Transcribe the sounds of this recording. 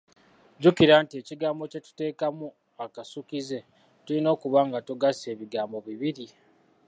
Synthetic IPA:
ɟukiɾaːntie̞ːciɡaːmbo̞ce̞tu̥te̞ːkamu | akasukize̞ | tulino̞ːkuβaːŋɡatuɡase̞ːβiɡaːmbo̞βiβiɾi

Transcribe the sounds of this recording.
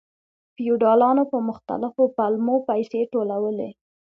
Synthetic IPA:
fijuɖɑlɑnopəmʊxt̪a̰lɪfopalmopajseʈolawəle

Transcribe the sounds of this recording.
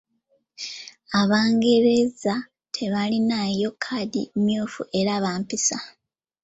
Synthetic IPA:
aβaːŋɡe̞ɾe̞za | tʰe̞βalinajo̞kʰadḭmjoːfuʔe̞ɾaβaːmpisa

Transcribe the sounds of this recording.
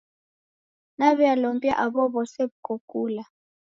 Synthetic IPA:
naβɛalompʼja̰ʔaβɔβɔseβukʰokʼuːla

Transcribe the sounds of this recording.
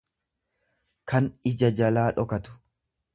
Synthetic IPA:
kɐnɪd͡ʒɐd͡ʒɐlaːᶑɔkɐt̪ʊ̥

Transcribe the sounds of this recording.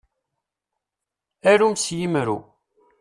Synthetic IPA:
æɾumsjimɾṵ

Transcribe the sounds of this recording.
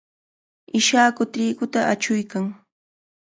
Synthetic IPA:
ɪʃaːkʊt̪ɪːkʊt̪aʔat͡ʃʊjkaŋ

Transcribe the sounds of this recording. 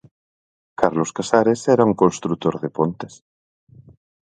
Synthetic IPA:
kaɾloskasaɾesɛɾauŋkonst̪ɾut̪oɾðepont̪es

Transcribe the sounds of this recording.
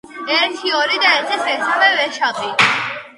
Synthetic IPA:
ɛɾt̪ʰiɔɾid̪aɛɾt̪ʰɛsɛɾt̪ʰavɛvɛʃap̪ʼi

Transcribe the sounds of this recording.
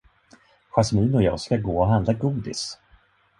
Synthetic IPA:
ɧasmiːnɔjɑ̰ːɡskaɡoːɔɦand̪laɡuːd̪ɪ̰s

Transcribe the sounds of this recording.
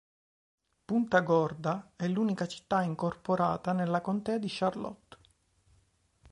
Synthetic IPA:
punt̪aɡɔrd̪aɛlːuːnikat͡ʃi̥t̪ːaiŋkorpoɾaːt̪anelːakont̪ɛːad̪iʃarlɔ̰t̪ː

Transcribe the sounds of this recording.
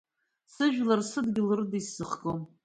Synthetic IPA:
sɨʒᶣlarsɨdɡʲɪlɨrɨdisɨχɡʼom

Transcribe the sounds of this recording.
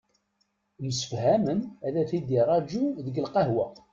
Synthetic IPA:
məsə̥fhæmənæðæθid̪irˤɑd͡ʒuðəɡəlqɑɦwæ

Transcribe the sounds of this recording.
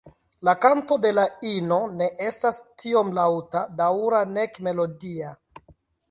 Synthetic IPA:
lakanto̞de̞laino̞ne̞ʔe̞stastʰio̞mlawtadawɾane̞kme̞lo̞dia

